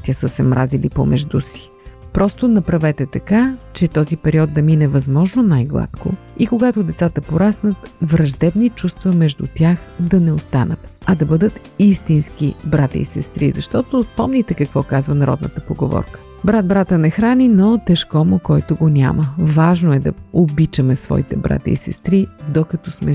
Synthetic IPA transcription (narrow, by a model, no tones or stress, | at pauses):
t̪ʲəsəsɛmɾʔa̰zilipo̰mɛʒd̪usi̥ | pɾɔst̪onɐpɾɐvɛt̪ɛt̪ɐkat͡ʃɛt̪ɔzipɛɾiɔd̪̚d̪ɐminɛvɐzmɔʒnonajɡlˠa̰t̪ko̰ikoɡat̪ʊd̪ɛt̪sat̪əpoɾasnət̪vɾɐʒd̪ɛbnit͡ʃust̪vɐmɛʒd̪ṵt̪ʲaxd̪ɐnɛost̪anət̪ɐd̪ɐbɤd̪ət̪ | ist̪inskibɾat̪ə̰ḭsɛst̪ɾḭzɐʃt̪ɔt̪ospɔmnʲit̪ɛkɐkvɔkazvənɐɾɔ̰d̪nə̰t̪əpoɡo̰vɔ̰ɾkə̥ | bɾat̪̚bɾat̪ənɛxɾaninot̪ɛʃkɔmokɔjt̪ʊɡonʲa̰məvaʒnoɛd̪ɐ̰obit͡ʃəmɛsvɔ̰it̪ɛbɾa̰t̪ə̰ḭsɛ̰st̪ɾid̪okɐt̪ɔsmɛ